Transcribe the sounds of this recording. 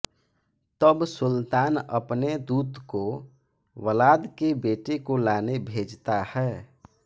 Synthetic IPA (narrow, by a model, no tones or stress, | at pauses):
t̪əbsʊlt̪aːnə̰pned̪uːt̪ko | wəlaːd̪kebeːʈekolaːnebʱeːd͡ʒt̪ahɛː